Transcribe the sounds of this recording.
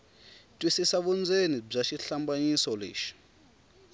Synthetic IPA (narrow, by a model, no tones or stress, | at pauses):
tʼwisisaɓund͡zʱenib͡ʐaʃiɬambaɲisɔlḛːʃi̥